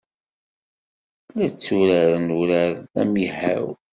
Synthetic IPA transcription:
læt͡sːuɾaɾənuɾaɾæ̰mjəħa̰w

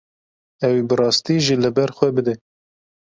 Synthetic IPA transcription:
ɛwibɨrɑːst̪iʒilɨbɛɾxʷɛbɨd̪ɛ

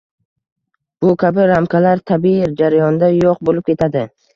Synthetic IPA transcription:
b̥ʊkʲʰabɪɾamkʰʲalaɾt̪ʰabiɪɾd͡ʒaɾajɒnd̪ajoq̚bolɪp̚kʰʲe̞t̪ʰad̪ɪ

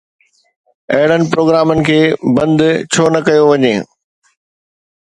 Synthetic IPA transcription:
ɐɦɪɽənɪ̆pɾoːɡɾaːmənɪ̆kʰeːbɐ̃nd̪t͡ɕʰoːnɐkɐjoʋɐɲḛː

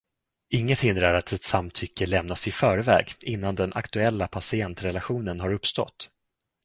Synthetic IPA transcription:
ɪŋːət̪hɪnd̪ɾaɾat̪ʰɛt̪samt̪ʰʏkːəlɛmnasɪfœːɾvɛ̰ːɡɪnːand̪ɛnʔa̰kt̪ɵɛlːapʰasɪɛnt̪ɾɛlaɧuːnənɦaɾɵpst̪ɔ̰t̪ː

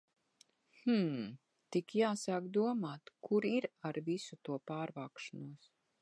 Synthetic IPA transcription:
h̩ | t̪ikjaːsaːkd̪uɔmaːt̪kuɾiɾaɾvisut̪uɔpaːɾvaːkʃanuɔs

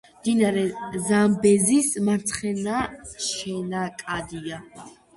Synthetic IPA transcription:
md̪̥inaɾɛzambɛzismaɾt̪sʰχɛnaʃɛnakʼad̪ia

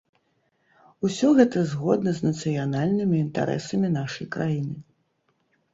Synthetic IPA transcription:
usʲɔɣɛt̪ɐzɣɔd̪nɐzʲnɐt̪sɨjanalʲnɨmʲiːnt̪a̰ɾʔɛ̰sɐmʲinaʂɐjkɾajinɨ

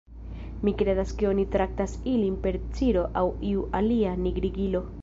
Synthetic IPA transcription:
mikɾe̞daske̞o̞nitɾak̚tasilinpe̞ɾt͡siɾo̞ʔawiuʔalianiɡɾiɡilo̞

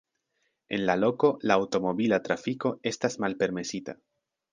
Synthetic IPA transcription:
e̞̰nlalo̞ko̞laːwto̞mo̞bilat̪ɾafiko̞e̞stasmalpe̞ɾme̞sita̰

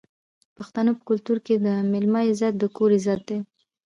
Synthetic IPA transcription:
paxt̪anopə̥kʊlt̪uɾked̪əmɪlmɑɪzat̪̚d̪əkʰoɾɪzat̪̚d̪e

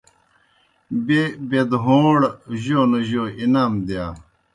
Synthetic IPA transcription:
bebed̪ɦoːɽʑoːnoʑoːinaːmd̪jaː

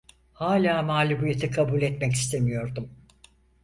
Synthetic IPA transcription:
haːlʲaːmaːlʲubujet̪ʰikʰabuːlʲɛt̪mɛci̥st̪ʰe̞mijo̞ɾd̪um

